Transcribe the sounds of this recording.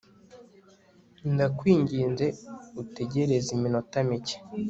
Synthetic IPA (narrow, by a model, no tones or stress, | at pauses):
ndakwiːɲɟiːnze̞ute̞ɟe̞ɾe̞ziminotamice̥